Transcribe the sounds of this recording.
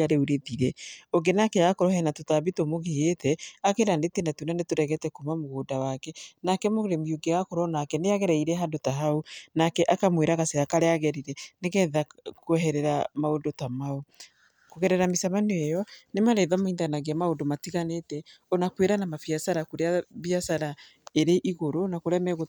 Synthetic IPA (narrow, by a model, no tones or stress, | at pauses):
aɾeuɾeðiɾɛoɡenakɛjakoɾɔhɛnatotaβitomoɣeetɛakeɾandetenatunanetoɾɛɣɛtɛkomamoɣoːdawakɛnakɛmoɣɾemjoɡeɣakoɾɔnakɛneaɣɛɾɛiɾɛɦandotaɦaunakɛʔakamweɾaɣaseakaɾeaɣɛɾiɾɛneɣɛðakwɛɦɛɾɛɾamaondotamao | koɣɛɾɛɾamisamanejɔnemaɾeðamoindanaɣeamaondomatiɣanetɛ | ɔnakweɾanamafiasaɾakoɾeaβiasaɾa | eɾeʔiɣoɾonakoɾɛmɛɣo